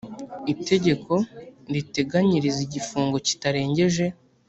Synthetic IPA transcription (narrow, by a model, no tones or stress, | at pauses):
ite̞ɟe̞kʰo̞ɾite̞ɡaɲiɾiziɟifuːŋɡo̞ci̥taɾe̞ːɲɟe̞ʒe̞